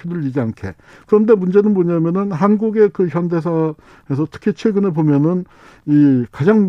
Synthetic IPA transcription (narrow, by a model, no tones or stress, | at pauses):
idɯɾɯɭid͡ʑiankʰe̞̰ | kɯɾʌnde̞mund͡ʑe̞nɯnmoɲamjʌnɯnɦanɡuɡe̞kɯçjʌnde̞s̬ʰa | hes̬ʰʌtʰɯ̥kʰit͡ɕʰweɡɯnepomjʌnɯn | ikad͡ʑaŋm